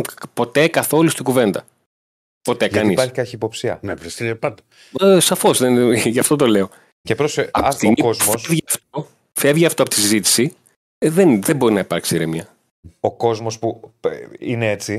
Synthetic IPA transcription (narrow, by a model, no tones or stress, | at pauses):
po̞t̪e̞kɐθo̞lust̪iɡuve̞nd̪ɐ | po̞t̪e̞kɐnispɐɾçi̥kɐçiːpo̞psiɐ̰nevɾest̪ipɐnd̪ɐ | sɐfo̞zðenʝɐft̪ot̪̬o̞le̞o̞ | cepɾosɐt̪inozmofsvʝiɐft̪o | fe̞vʝiɐft̪oɐpot̪isizit̪i̥si | ðenðemboɾinɐipɐɾksiɾemiɐ | oko̞zmo̞spu | ineet͡si